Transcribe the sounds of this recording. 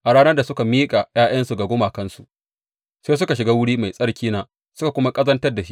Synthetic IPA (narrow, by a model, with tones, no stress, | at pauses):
ʔa˨ɽaː˦nɐ˦rda˨sʊ˦ka˨miː˦kʼa˨j̰aː˦j̰ɐ˦nsu˨ɡa˨ɡʷʊ˦maː˨kɐ˦nsu˨ | seː˦s̬ʊ˦ka˨ʃɪ˨ɡaː˦wʊ˦ɽiː˦ma˨jsʼɐ˦ɽkʲiː˦naː˦ | sʊ˦ka˨kʷʊ˦ma˦kʼɐ˦zɐ˦ntɐ˦rda˨ʃi˦ʔ